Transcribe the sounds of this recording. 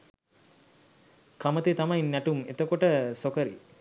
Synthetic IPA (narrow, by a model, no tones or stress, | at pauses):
kamət̪et̪amɐjnːæʈumet̪əkoʈəsokəɾḭ